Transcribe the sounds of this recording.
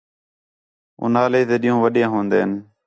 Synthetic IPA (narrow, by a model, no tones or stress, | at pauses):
ʊ̰naːleːt̪eːɗĩːõːʋəɗɪjãːɦõːnd̪ḛːɦən